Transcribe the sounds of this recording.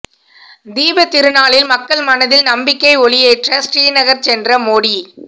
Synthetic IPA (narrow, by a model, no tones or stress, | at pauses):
d̪iːbɐt̪ːɪɾɯnaːɭɪlmɐkːɐɭmɐnɐðɪlnɐmbɪkːɐɪɔɭɪjeːʈrɐsʈiːnɐɣɐɾt͡ʃɛndrɐmoːɽi